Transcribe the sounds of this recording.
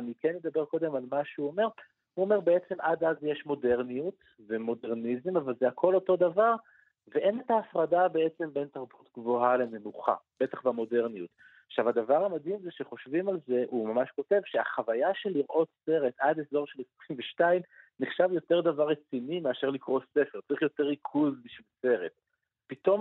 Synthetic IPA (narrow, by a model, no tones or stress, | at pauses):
anikenːe̞d̪abe̞ʁko̞d̪e̞malmaʃeuome̞ʁ | uome̞ʁbe̞et͡se̞mʔad̪azjeʃmo̞de̞ʁnijut | vemo̞deʁnizemavalzeakʰo̞lo̞to̞d̪avaʁ | veʔe̞netaːfʁadabe̞et͡se̞mbe̞nt̪aʁbut̪ɡvoɦale̞ne̞nuχa̰b̥et̪aχbamo̞de̞ʁniut | aχʃavad̪avaʁamad̪imzeʃeχo̞ʃvimalze̞ʔumamaʃko̞te̞vʃeaχavajaʃe̞liʁʔo̞tse̞ʁe̞tadezo̞ʁʃelesʁimveʃtaimniχʃavjo̞te̞ʁd̪avaʁːet͡sinimeaʃeʁlikʁo̞se̞feʁt͡saʁiχjo̞te̞ʁikʰuzbiʃvilse̞ʁe̞t | pito̞m